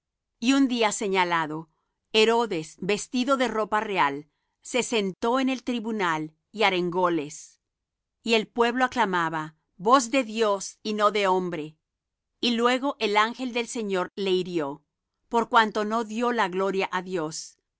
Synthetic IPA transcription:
iund̪iase̞ɲalaðo̞ | eɾo̞ðe̞sbe̞st̪iðo̞ðe̞ro̞pareal | se̞se̞nt̪o̞ene̞lt̪ɾiβunal | iaɾe̞ŋɡole̞s | ie̞lpwe̞βloaklamaβa | bo̞zðe̞ðjosino̞ðe̞o̞mbɾe̞ | ilwe̞ɣo̞ʔe̞laŋxe̞ld̪e̞lse̞ɲo̞ɾle̞iɾjo̞ | po̞ɾkwant̪ono̞ðjo̞laɣlo̞ɾjaʔaðjo̞s

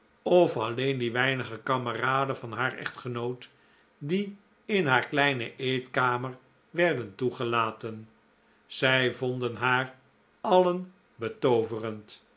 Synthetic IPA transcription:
ɔfɑlejndiʋɛjnəχəkɑməraːdənvɑnɦaːɹɛ̰χtχənowt | di | ɪnɦaːɹklɛjnəʔejtkaːməɹ | ʋɛɹdəntuχəlaːtən | z̥ɛjvɔndənɦaːr | ɑlən | bətowvərənt

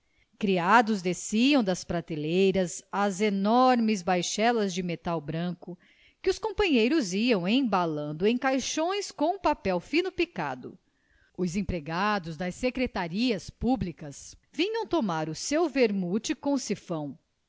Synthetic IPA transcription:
kɾiad̪ʊzd̪esiɐ̃w̃d̪ɐspɾat̪elejɾɐzɐzenɔɾmɪzbajʃɛlɐzd͡ʒɪmet̪awbɾɐ̃kʊ | kɪʊskõpɐ̃ɲejɾʊziɐ̃w̃ẽj̃balɐ̃nd̪ʊẽj̃kajʃõj̃skõw̃ũpapɛwfĩnʊpika̰d̪ʊ̰ | ʊzẽpɾeɡad̪ʊzd̪ɐsːekɾet̪aɾiɐspublikɐsvĩɲɐ̃w̃t̪omaɾʊsewveɾmut͡ʃɪkõsifɐ̃w̃

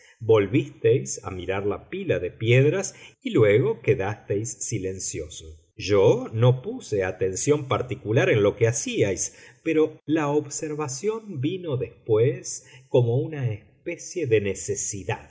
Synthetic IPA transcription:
bo̞lβist̪ejsa̰miɾaɾlapilaðe̞pjeðɾasilweɣo̞keðast̪ejsːile̞nsjo̞so | ʒono̞puseat̪e̞nsjo̞mpaɾt̪ikulaɾenlo̞keasiajspeɾo̞laoβseɾβasjo̞mbino̞ðespwesko̞mo̞unaespe̞sje̞ðe̞nesesiða̰ð

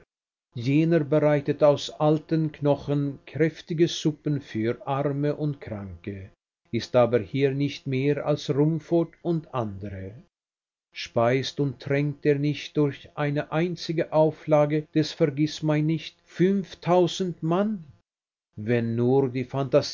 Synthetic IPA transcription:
jeːnəʁbəʁaɪtətaʊsʔaltənknɔxənkʁ̥ɛftɪɡəzʊpən̩fyːʁʔaʁməʔʊntkʁ̥aŋkə | ʔɪstʔaːbəhiːɐnɪçtmeːʁa̰lsʁʊmfotʊntʔandəʁə | ʃpaɪstʊntʁ̥ɛŋk̚teːɐnɪçt̚d̥ʊɐçʔaɪnəʔaɪnt͡sɪɡəʔaʊflaːɡəd̥ɛsfɛɐɡɪsmaɪnːɪçtfʏnftʰaʊzn̩tman | vɛnːuːʁdiːfantaz

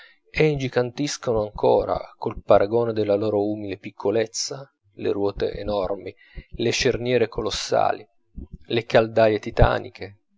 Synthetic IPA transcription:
end͡ʒikant̪iskonoaŋko̰ːɾa̰kolpaɾʔaɡoːned̪elːaloːɾouːmilepikʰːolet̪sːa | lḛɾwɔːt̪ḛʔenɔrmi | leʃernjɛːɾekolosːa̰ːli | lekald̪ajet̪it̪a̰ːnḭkʰe

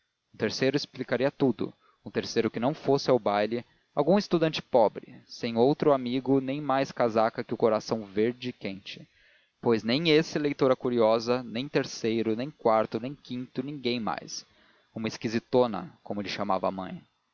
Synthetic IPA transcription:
ũt̪eɾsejɾʊɪsplikaɾiɐt̪ud̪ʊ̰ | ũt̪eɾsejɾʊkɪnɐ̃w̃fosɪawbajlɪ | awɡũɪst̪ud̪ɐ̃nt͡ʃɪ̥pɔbɾɪsẽj̃owt̪ɾʊamiɡʊnẽj̃majskazakɐkɪʊkoɾasɐ̃w̃veɾd͡ʒɪːkẽnt͡ʃɪ̥ | pojznẽj̃esɪlejt̪oɾɐkuɾiɔzɐnẽj̃t̪eɾsejɾʊnẽj̃kwaɾt̪ʊnẽj̃kĩnt̪ʊnĩŋɡẽj̃ma̰js | ũmɐɪskizit̪onɐ̰kõmʊlɪʃama̰vɐ̰a̰mɐ̰̃j̃

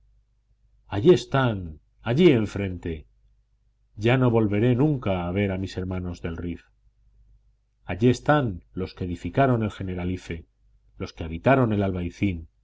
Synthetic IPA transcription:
aʝie̞st̪an | aʎie̞ɱfɾẽ̞nt̪e̞ | ɟ͡ʝano̞βo̞lβe̞ɾe̞nũŋkaːβ̞e̞ɾamise̞ɾmãno̞zðe̞lrif | aʎie̞st̪anlo̞ske̞ðifikaɾo̞ne̞lxe̞ne̞ɾalife̞ | lo̞skeaβ̞it̪aɾo̞ne̞lalβajθin

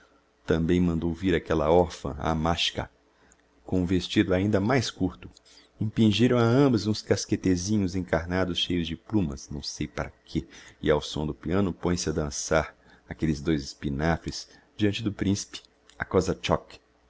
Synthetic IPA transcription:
t̪ɐ̃mbẽj̃mɐ̃nd̪owviɾakɛlɐ̰ɔɾfɐ̰̃a̰maʃkɐ̰ | kõũvest͡ʃid̪ʊaĩnd̪ɐmajskuɾt̪ʊ | ĩpĩʒiɾɐ̃w̃aɐ̃mbɐzũskasket̪ezĩɲʊzẽkaɾnad̪ʊsʃejʊzd͡ʒɪplũmɐ̰snɐ̰̃w̃sejpaɾɐkʰeɪawsõd̪ʊpiɐ̃nʊpõj̃sɪɐd̪ɐ̃saɾ | akelɪzd̪ojzɪspinafɾɪs | d͡ʒiɐ̃nt͡ʃɪd̪ʊpɾĩsi̥pɪ̥ | ɐkɔzɐt͡ʃɔk

